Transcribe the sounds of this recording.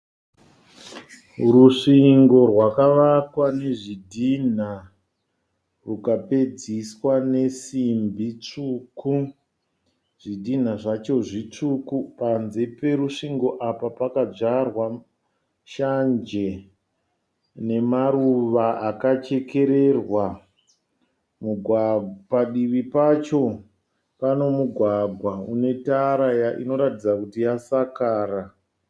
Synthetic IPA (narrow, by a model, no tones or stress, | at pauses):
ruʂiŋɡo̞rwakaʋakwane̞ʐidʱin̤a | rukaped͡ziswane̞simbʱit͡ʂuku | ʐ̥idʱin̤aʐat͡ʃo̞ʐit͡ʂukupanzepe̞ɾuʂiŋɡo̞ʔapapakad͡ʐarwa | ʃand͡ʒe̞ | ne̞maɾuʋaʔakat͡ʃe̞ke̞ɾe̞rwa | muɡʱwapaɗiʋipat͡ʃo̞ | pano̞muɡʱwaɡʱwaune̞taɾajaʔḭno̞ɾatid͡zakutijasakaːra